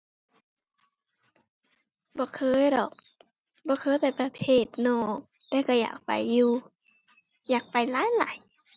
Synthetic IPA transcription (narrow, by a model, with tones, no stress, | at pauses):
bɔː˧˦kʰɤː˧˥˨jɾɔ̰˨˩k̚ | bɔː˧˦kʰɤː˧˥˨jpa˨˩jpa˧pʰeː˧˩t̪̚nɔː˧˩ | t̪ɛː˧ka˧˩ja̰ː˨˩k̚pa̰˨jːuː˧ | jaː˨˩k̚pa˨˩jlaː˧˥˦jla̰ː˨˦j